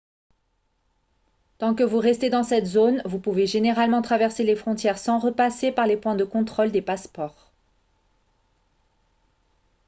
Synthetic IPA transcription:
t̪ɑ̃kəvuʁɛst̪ed̪ɑ̃sɛt̪zonvupuveʒeneʁalmɑ̃t̪χavɛʁselefχɔ̃t̪jɛʁsɑ̃ʁəpasepaʁlepwɛ̃d̪əkɔ̃t̪χold̪epaspɔːʁ

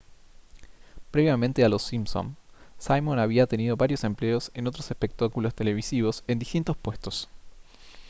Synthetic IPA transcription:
pɾe̞βjamẽnt̪ealo̞sːimsõ̰nsajmonaβ̞iat̪e̞nið̞o̞βaɾjo̞se̞mple̞o̞se̞no̞t̪ɾose̞spe̞k̚t̪akulo̞st̪e̞le̞β̞isiβo̞se̞nd̪ist̪int̪o̞spwe̞st̪o̞s

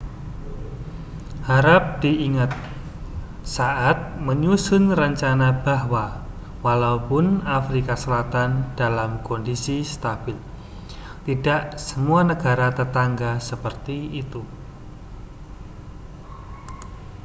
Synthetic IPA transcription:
haɾap̚d̥iiŋat̪̚ | saʔat̪̚məɲusʊnrəɲt͡ʃanab̥ahwa | walaupʊnafɾikasəlat̪and̥alamkɔndisist̪ab̥ɪl | t̪idaʔsəmuanəɡ̥aɾat̪ət̪aŋɡasəpərt̪iːt̪u

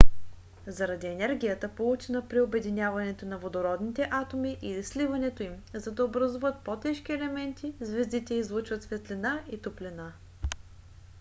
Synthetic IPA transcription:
zɐɾɐd̪iɛnɛɾɡʲijət̪əpolˠut͡ʃɛnəpɾiobɛd̪inʲjavɐnɛt̪onɐvod̪oɾɔd̪nit̪ɛʔat̪omiʔilislivɐnɛt̪oim | zɐd̪ɐobɾɐzuvət̪̚pot̪ɛʃk̟iɛlɛmɛnt̪ʰizvɛzd̪it̪ɛizlˠut͡ʃvət̪svɛt̪linait̪oplɛna

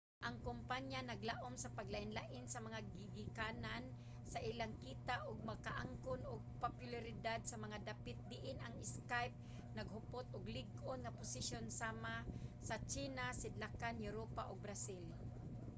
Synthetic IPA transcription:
ʔaŋkʊmpaɲjanɐɡlaʔomsɐpaɡlaʔɪnlaʔɪnsɐmɐŋaɡɪɡɪkanan | saʔilaŋkiːt̪aʔʊɡ̚makaʔaŋkʊnʔʊɡ̚papjʊlaɾɪd̪ad̪̚sɐmɐŋad̪apɪt̪̚d̪ɪʔɪnaŋɪskajp̚ | nɐɡhʊpot̪ʔʊɡlɪɡʔonŋɐpʊsɪʃjonsaːmasɐt͡ʃiːnasɪd̪lakanjʊɾopaʔʊɡ̚bɾasɪl

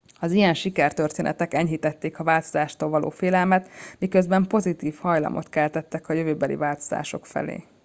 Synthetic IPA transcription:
ɒzijɛnʃikɛrt̪ørt̪eːnɛ̰t̪ɛkɛɲɦit̪ɛt̪ːeːkɒvaːlt̪o̞zaːʃt̪oːlvɒlo̰ːfeːlɛlmɛt̪mikø̞zbɛmpo̞zit̪iːfhɒjlɒ̰mʔo̞̰t̪kɛlt̪ɛt̪ːɛkɒjøvøːbɛlḭvaːlt̪o̞̥z̥a̰ːʃo̞kfɛ̰lḛː

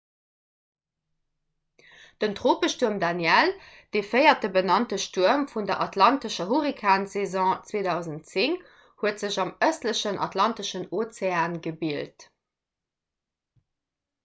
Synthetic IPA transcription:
d̥əntʁoːpəʃtuɐmdanjɛl | d̥efəɪɐt̚dəbənɑntəʃtuɐmfundɐʔɑtlɑntəʃɐɦuʁikʰaːnsezɔ̃ːt͡sweːdɑʊzəntt͡siŋ | huətz̥əʑɑməstləɕənʔɑ̰tlɑntəʃənot͡seaːnɡəbilt

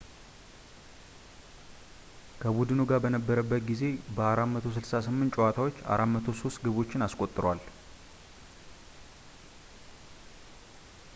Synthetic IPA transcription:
kʰəbud̪ɨnuɡabənəbːəɾəbːət̪ɡize̞bəaɾamət̪ʰos̬ɨlsasɨmːɨnt͡ʃʼowat̪ʰawo̞t͡ʃːa̰ɾamət̪ʰo̞so̞st̪ɡɨβo̞t͡ʃːɪnaskʼo̞t̪ʼːɨɾwal

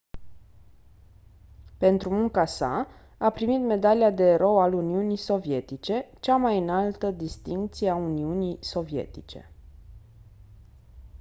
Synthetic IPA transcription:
pe̞nt̪ɾumuŋkasa̰ | apɾimit̪me̞d̪aliad̪e̞ɾo̞waluniunijso̞vje̞t̪it͡ʃe̞t͡ʃamajɨnalt̪əd̪ist̪iŋk̚t̪sijeauniunijso̞vije̞̰t̪it͡ʃe̞̰

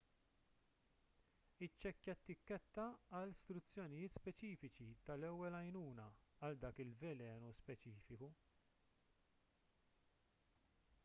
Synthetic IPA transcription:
ɪt͡ʃːɛkːɛt̪ːɪkːɛt̪ːɐɐlst̪ɾʊt͡sːjɔnɪjɪːt̪spɛt͡ʃiːfɪt͡ʃit̪ɐlɛwːɛlɐjnuːnɐɐld̪ɐːkɪlvɛlɛːnuspɛt͡ʃiːfɪku

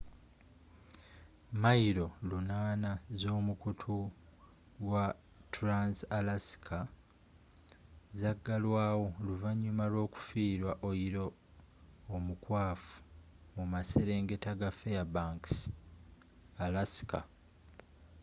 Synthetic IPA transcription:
maiɾo̞lunaːnazo̞ːmukutʰu | ɡwa | tuɾansalasi̥kʰa | zaɡːalwaːwo̞luvaɲːumalwo̞ːku̥fiːɾwaʔoiɾo̞ː | mukwaːfu̥ | mumase̞ɾe̞ːŋɡe̞taɡafejabaːŋks | alasi̥ka̰

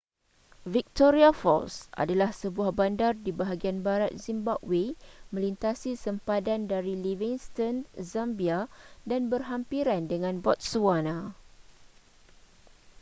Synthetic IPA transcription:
vik̚t̪oɾiafɔ̰lsa̰dalahsəbuahbandardibaɦaɡianbaɾat̪̚zimbabwemə̃lint̪asisəmpadandaɾiliviŋst̪ɔnzãmbiadanbərɦampiɾandəŋãnbɔt̪̚suanã

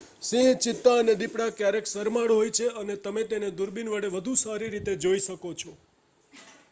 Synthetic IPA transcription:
sĩɦt͡ʃɪt̪ːaəned̪ipɽakjaɾeksəɾmaɽɦojt͡ʃʰeənet̪əmet̪ened̪ʊɾbinʋəɽeʋəd̪ʱusaɾiɾit̪ed͡ʒoiʃəkot͡ʃʰɔ

